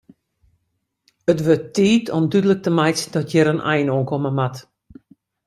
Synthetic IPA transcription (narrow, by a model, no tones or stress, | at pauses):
ətʋøtːiːtʰɔmdydələk̚təmajsdɔtjɪɾənʔɛ̰jnoənkʰɔməmat